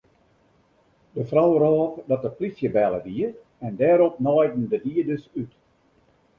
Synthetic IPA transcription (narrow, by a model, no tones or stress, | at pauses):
dəfrawrɔːpdɑt̚əplisjəbɛlˠəʋiər | ɛndɛːɾɔp̚nɔjdn̩dədiədøsyt